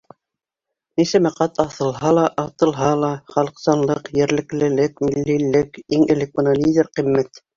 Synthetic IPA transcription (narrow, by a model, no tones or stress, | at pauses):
nisæmæqæt̪ɑθɤ̆lˠɦɑlˠɑʔɑt̪ɤ̆lˠɦɑlˠɑχɑlˠɤ̆qsɑnlˠɤqjɘ̆ɾlɘ̆klɘ̆lɘkmilːilɘkiŋɘ̆lɘk̚bɤ̆nɑlʲidʲeɾqĭmːæt̪